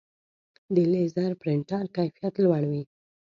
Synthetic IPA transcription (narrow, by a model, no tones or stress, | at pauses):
d̪əlezaɾpɾɪɳʈɑɾkajfijat̪lwaɽwi